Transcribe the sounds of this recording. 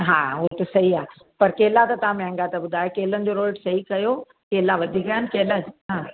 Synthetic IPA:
ɦaːɦot̪ɪsɐɦiaː | pɐɾkeːlat̪ɐt̪ɐʋ̤ãmẽə̃ŋɡat̪ɐbʊd̪ʱaːjokeːlənɪ̆d͡ʑoːɾoːlɖsɐɦikɐjo | keːlaʋɐd̪ʱikajənɪ̆keːlaɦãː

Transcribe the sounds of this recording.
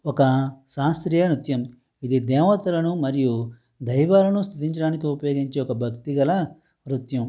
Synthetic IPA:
ɔkɐʃaːst̪ɾijɐɾut̪jɐm | id̪id̪ɛːʋɐt̪ɐlɐnumɐɾiju | d̪ɐjʋaːlɐnust̪ʰud̪iɲt͡ʃɐɽaːnikiupɐjo̞ːɡiɲt͡ʃeɔkɐbʱɐkt̪iɡɐlɐ | ɾut̪jɐm

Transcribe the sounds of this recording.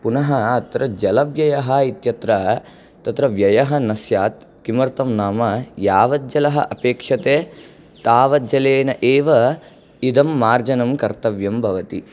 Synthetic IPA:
punɐɦɐːt̪ɾɐd͡ʒɐlɐʋjɐjɐɦɐit̪jɐt̪ɾɐ | t̪ɐt̪ɾɐʋjɐjɐɦɐnɐsjaːt̪̚ | kimɐɾt̪ɐmnaːmɐjaːʋɐd̪d͡ʒɐlɐɦɐʔɐpeːkʂɐt̪eː | t̪aːʋɐd͡ʒɐleːnɐʔeːʋɐ | id̪ɐmːaːɾd͡ʒɐnɐmkɐɾt̪ɐʋjɐmbʱɐʋɐt̪i

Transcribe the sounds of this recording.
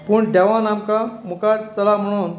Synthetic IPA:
puːɳd̪aʋanamkamukaɾt͡səlam̤əɽ̃uːn

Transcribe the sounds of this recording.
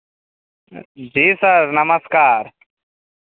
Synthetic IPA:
d͡ʒiːsəɾnəməskaːɾ

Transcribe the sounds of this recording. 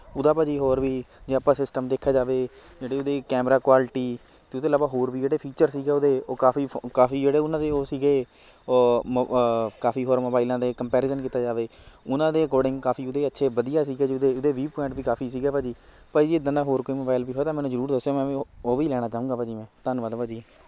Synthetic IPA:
ʊd̪aːpad͡ʒiːɦoːɾʋiːd͡ʒeːəpãːsɪsʈəmd̪eːkʰːaːd͡ʒaːʋeː | d͡ʒeːɽeːod̪eːkɛːmɾaːkwaːlʈiː | t̪eːʊt̪eːlaːbaːɦoːɾbiːd͡ʒeːɽeːpʰiːt͡ʃəɾsiːɡeːoːd̪eːoːkaːfiːkaːfʰiːd͡ʒeːɽeːʊnãːd̪eːoːsiːɡeː | kaːpiːɦoːɾmoːbaːɪlãːd̪eːkəmpɛːɾeːzənkiːt̪aːd͡ʒaːʋeːʊnãːd̪eːkoːɖɪ̃ŋɡkaːpʰiːʊd̪eːətːʃʰeːʋəd̪ijaːsiːɡɛːd͡ʒʊd̪eːʊd̪eːʋiːpɔɪ̃ɳʈʋiːkaːpʰiːs̬iːɡɛːpaːd͡ʒiː | pəid͡ʒiːɪd̪ãːnãːɦoːɾkoːiːmoːbaːɪlʋiːɦoːeːt̪ãːmɛ̃ːnũːzəɾuːɾd̪əsːjoːmɛ̃ːoːʋiːlɛːɽ̃aːt͡ʃaːũːɡaːpaːd͡ʒiːmɛ̃ːt̪ənʋəd̪aːd͡ʒiː

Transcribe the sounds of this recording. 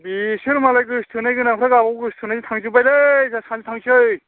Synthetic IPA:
bisɯɾmalajɡɯstʰɯnajɡɯnaŋpʰɾaɡabɔɡɯstʰɯnazitʰaŋzubajlezasʰanzit̪ʰaŋsʰɯj

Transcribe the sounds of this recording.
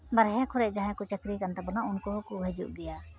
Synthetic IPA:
bəɾɦɛ̃kʰɔɾɛʔd͡ʒaɦɛ̃kut͡ʃəkɾikant̪abɔnaʊnkɔɦkuɦɛd͡ʒṵʔɡɛja

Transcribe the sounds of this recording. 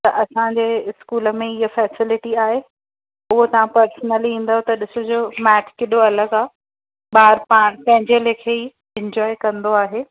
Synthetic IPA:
t̪ɐʔɐsãd͡ʑeːɪskuːlə̆mẽɪɦəfɛːsɪlɪʈiaːɦe | ʊɦot̪ɐʋ̤ãpɐɾsnəlĩːn̆d̪aɦot̪ɐɗɪsod͡ʑoːmɛːʈʰkeɗoɐləɡaː | ɓaːɾpaːɽ̃pɐ̃ɦɪ̃ɲd͡ʑelekʰei | ɪ̃ɲd͡ʑɔːekɐ̃nd̪oaːɦeː

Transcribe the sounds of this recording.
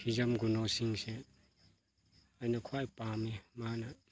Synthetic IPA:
hʰizamɡunosiŋse | ajnɐkʰwajpamemana

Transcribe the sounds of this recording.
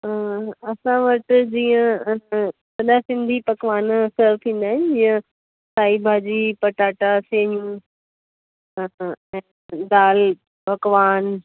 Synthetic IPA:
ɐsãʋɐʈd͡ʑiːə̃ | bɐɗasɪ̃nd̪ʱipɐkʋaːnsəɾt̪ʰĩːn̆d̪aːɦɪ̃nɪd͡ʑiːə̃ | saːibʱaːd͡ʑiːpɐʈaːʈasẽːɲjũ | ɛ̃ː | d̪aːl | pɐkʋaːn

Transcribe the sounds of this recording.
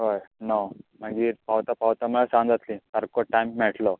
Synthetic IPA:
ɦojnam̤əɡiːɾpawt̪apawt̪aməɭasãnd͡zat̪lĩtaɾkoʈajmmɛʈlɔ

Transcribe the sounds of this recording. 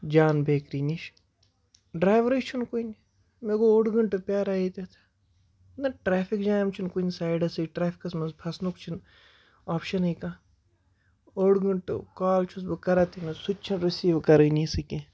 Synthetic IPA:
d͡ʒaːnbʱeːkɾiːniʃ | ɖɾaːjʋɾit͡ʃʰunkuin | meːɡooːɽɡəɳʈpjaːɾaːit̪et̪ʰ | nɐʈɾeːpʰikd͡ʒaːjmt͡ʃʰunkuinsaːjɖɐsiʈɾaːpʰi̥kɐsmɐnspʰɐsnukt͡ʃʰin | aːpʃɐnɐjkaː | oːɽɡɐɳʈkaːlt͡ʃʰusbɨkɐɾat̪ʰinɐsutt͡ʃʰinɾɐsiːʋkɐɾɐnĩsɨkẽː

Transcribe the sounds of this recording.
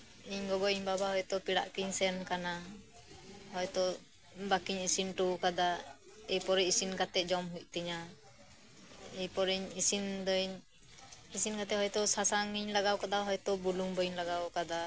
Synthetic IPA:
iɲɡɔɡɔiɲbabahɔjt̪ɔpiɽa̰ʔkiɲsɛnkana | hɔjt̪ɔ | bakiɲisinʈukad̪a | ɛjpɔɾiisinkat̪ɛd͡ʒɔmɦuc̚t̪iɲa | ijpɔɾiɲisind̪ɔɲ | isinkat̪ɛhɔjt̪ɔsasaŋiɲlaɡawkad̪aɦɔjt̪ɔbuluŋbɔɲlaɡawkad̪a

